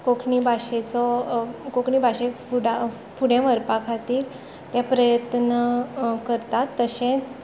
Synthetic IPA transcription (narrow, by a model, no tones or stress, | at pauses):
kokʰɳibʱaɕet͡sɔkokʰɳibʱaɕefuɽa | fuɽẽʋəɾpakʰat̪iːɾ | t̪japɾəjət̪nəkəɾt̪at̪ːəɕẽt͡s